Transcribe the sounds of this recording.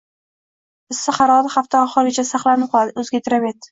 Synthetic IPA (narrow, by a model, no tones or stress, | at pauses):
ɪsːɪχɑɾɒd̪ɪχaft̪ʰaɒχɨɾɡʲet͡ʃʰasaχlˠanɪp̚qʰɒlˠad̪ɪɵzɡʲat̪ʰɪɾamet̪